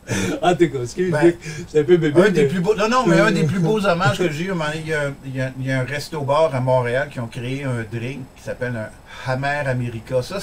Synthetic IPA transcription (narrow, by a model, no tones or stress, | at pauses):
ɑ̃t̪ukaskʲeɪk̪ɛ̃pøbebɛ̃d̪eplybonɔ̃nɔ̃mɛɛ̃d̪eplybozɔmaʒkəʒeɔmãejãjjaɛ̃ʁɛst̪obɑːʁamɔ̃ʁealkʲiɔ̃kʁeeɛ̃d̪ʁɪŋkʲi̥sapɛlɛ̃ | hamɛːʁameʁikasʌ